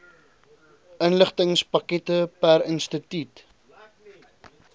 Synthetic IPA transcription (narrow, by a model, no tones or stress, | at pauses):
ʔənləχtəŋspɐkɛtəpæɾənstətyt